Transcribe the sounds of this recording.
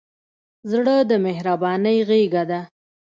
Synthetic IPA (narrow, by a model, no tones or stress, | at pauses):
zɽəd̪əmehɾabɑnəjɣeɡad̪a